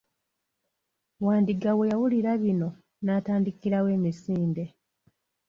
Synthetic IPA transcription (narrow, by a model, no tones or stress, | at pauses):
waːndiɡawe̞jawuliɾaβino̞ | naːtaːndikiɾawe̞ːmisiːnde̞